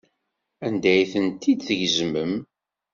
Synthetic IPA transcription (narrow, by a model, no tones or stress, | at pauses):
ænd̪æjθənt̪ːid̪θəʝzməm